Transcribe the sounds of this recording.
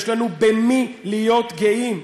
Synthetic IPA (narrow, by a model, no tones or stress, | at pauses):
ʃlanubemi | lijo̞t̪ɡeʔim